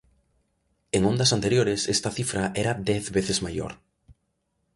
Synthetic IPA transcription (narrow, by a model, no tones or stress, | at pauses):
eŋõnd̪ɐsant̪eɾjoɾɪsɛst̪ɐθifɾɐʔɛɾɐd̪ɛθβeθɪzmajo̰ɾ